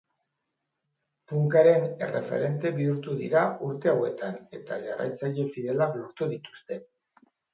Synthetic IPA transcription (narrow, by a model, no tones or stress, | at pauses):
puŋkaɾe̞ne̞̰re̞̰fe̞̰ɾe̞nt̪e̞βiuɾt̪uðḭɾauɾt̪e̞awe̞̰t̪ane̞t̪aʝara̰jt͡saʎe̞fiðe̞laklo̞ɾt̪uðit̪u̥st̪e̞